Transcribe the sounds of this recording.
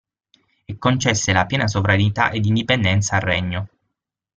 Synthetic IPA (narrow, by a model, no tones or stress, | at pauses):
ekːont͡ʃɛsːelapjɛːnas̬ovɾanit̪a̰ʔed̪ːind̪ipend̪ɛnt̪saːrːɛɲːo